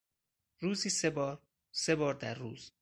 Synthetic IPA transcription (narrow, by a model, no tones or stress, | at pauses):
ɾuːziːsebɒːɾ | se̞bɒːɾd̪æɾːṵːz̥